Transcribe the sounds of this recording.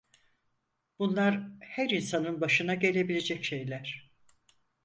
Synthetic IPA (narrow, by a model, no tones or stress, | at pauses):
b̥unlˠaɾhæɾinsanɯnbaʃɯnaɟe̞lʲe̞bilʲe̞d͡ʒɛcʃejlʲæɾ̝̥